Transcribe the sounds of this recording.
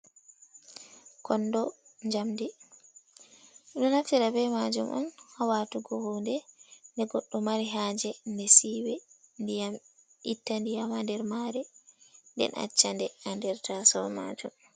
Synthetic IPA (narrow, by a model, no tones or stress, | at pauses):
kʰɔndɔɲd͡ʒamdi | ɗɔnaftiɾabɛmad͡ʒumʔɔ̰nhawatuɡɔhuːndɛndɛɡɔɗːɔmaɾiɦad͡ʒɛndɛsiwɛ | ndijam | itːandijamandɛɾmaːɾɛndɛ̰nʔa̰t͡ʃːandɛandɛɾtasɔ̰ma̰ːd͡ʒum